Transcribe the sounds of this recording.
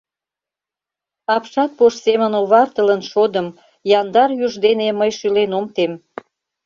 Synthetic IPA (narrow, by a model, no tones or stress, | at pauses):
ɑpʃɑt̪̚poʃsemənoβɑrt̪ələnʃod̪əm | jɑnd̪ɑrjuʒd̪eneməjʃylenomt̪em